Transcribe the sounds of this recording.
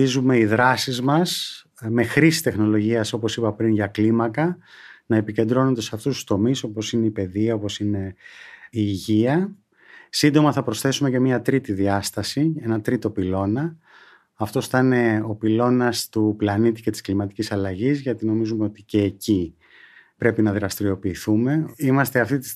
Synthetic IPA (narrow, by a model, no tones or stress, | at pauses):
izume̞iðɾɐsizmɐs | me̞xɾisi̥st̪e̞xno̞lo̞ʝiɐso̞po̞sipɐpɾinʝɐklimɐkɐnɐe̞pice̞nd̪ɾo̞no̞nd̪esɐft̪ust̪ust̪o̞miso̞po̞sine̞ipe̞ðiɐo̞po̞sine̞ | iːʝiɐ | sind̪o̞mɐθɐpɾo̞sθe̞sume̞ce̞miɐt̪ɾit̪iðiɐst̪ɐsie̞nɐt̪ɾit̪o̞pilo̞nɐː | ft̪o̞st̪ɐne̞o̞pilo̞nɐst̪uplɐnit̪ice̞t̪i̥sklimɐt̪i̥cisɐlɐʝizʝɐt̪ino̞mizumeot̪ice̞ːci | pɾe̞pinɐðiɾɐst̪iɾio̞piːθume̞imɐst̪e̞ɐft̪it̪i